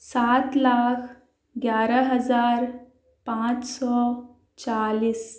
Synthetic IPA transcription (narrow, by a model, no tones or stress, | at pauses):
sat̪laːkʰ | ɡjaːɾəɦəzaːɾ | pãt͡ʃsɔ | t͡ʃaliːs